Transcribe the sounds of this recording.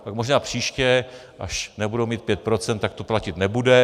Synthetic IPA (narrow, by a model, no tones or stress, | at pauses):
pakmoʒnaːpr̝̥iːʃcɛ | ʔa̰ʃnɛbudowmiːt̪̚pjɛt̪̚pɾot͡sɛnt̪ːak̚t̪oplacɪt̪nɛbudɛ